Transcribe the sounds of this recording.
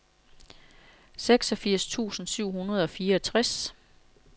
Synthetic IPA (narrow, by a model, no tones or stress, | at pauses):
seɡ̥sɒ̽fiɐ̰st͡sʰṵːsn̩syʊ̰ɦunɐð̞ˠɒ̽fiːɐɒt͡sʰʁas